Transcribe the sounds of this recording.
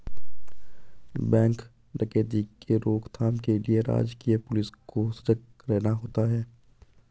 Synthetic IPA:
bɛ̃ːŋk | ɾɐkeːd̪ikeɾoːkt̪ʰaːmkelieɾa̰ːd͡ʒkiepʊlɪskoːsɾək | ɾɛːnaɦoːt̪aɦɛː

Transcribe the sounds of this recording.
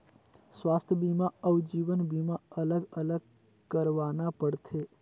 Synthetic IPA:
sʋaːst̪ʰjəbimaəwd͡ʒiːʋənbimaələɡələɡ | kəɾʋaːnapəɽt̪ʰe

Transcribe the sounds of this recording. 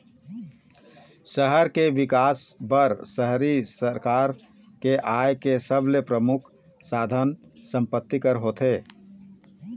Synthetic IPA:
səɦəɾkeʋikaːsbəɾsəɦɾisəɾkaːɾ | keʔaekesəblepɾəmʊkʰ | saːd̪ʱənsə̃mpət̪ːikəɾɦoːt̪ʰeː

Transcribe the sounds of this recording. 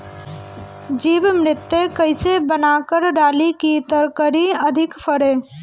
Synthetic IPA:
d͡ʒibmɾɪt̪ːekəɪsebənakəɾɖalikit̪əɾkəɾiəd̪ʱikpʰəɾe

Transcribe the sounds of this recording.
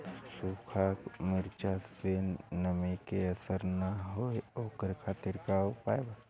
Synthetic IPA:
sukʰaːkmɪɾt͡ʃasennəmikeɐsəɾnaɦoeoːkəɾkʰaːt̪ɪɾkaːopaːeba

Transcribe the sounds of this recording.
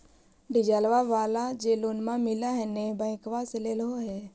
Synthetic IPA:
ɖɪd͡ʒaːlʋaʋaːlad͡ʒeːlonmãmɪlaɦɛnebãɪ̃kʋaseleːlɦoɦɛː

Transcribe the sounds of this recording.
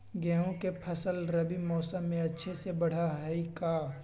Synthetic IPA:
ɡɛ̃ːɦõkepʰɐsəlɾɐbimɔːsəmːẽɐtːʃʰesebɐɽ̤aɦɛikaː

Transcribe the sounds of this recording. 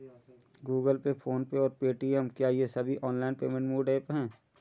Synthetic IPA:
ɡuːɡəlpepʰoːnpeɔːɾpeːʈiːəmkjaːjesɐbʱiʔɔːnlaːɪnpeːmẽɳʈmuːɖaːpɦɛ̃ː

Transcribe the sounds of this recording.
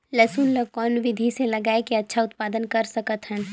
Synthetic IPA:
lɐsuːnləkɔːnʋɪd̪ʱiselɐɡaːekiɐtːʃʰaʊt̪̚paːd̪ənkɐɾsɐkət̪ɦɛ̃ː

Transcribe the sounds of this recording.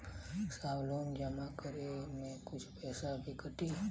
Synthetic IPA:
saʋlond͡ʒəmãkəɾemɛ̃kʊt͡ʃʰpɛːsabiɡəʈi

